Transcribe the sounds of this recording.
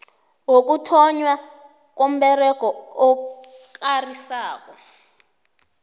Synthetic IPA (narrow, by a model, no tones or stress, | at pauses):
wok̬ʼutʰɔɲwa | k̬om̩ɓɛrɛɡ̥ʱɔɔkarisaːk̬ʼɔ